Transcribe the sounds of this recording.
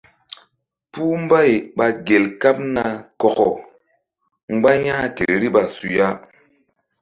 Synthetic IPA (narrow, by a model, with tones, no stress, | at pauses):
pu˦m˦ba˦i˨ɓa˨ɡe˨lka˦p̚na˨kɔ˨kɔ˨ | ŋ͡mɡ͡ba˦ɲãː˦ke˨ɾɾi˦ɓa˨su˨ja˦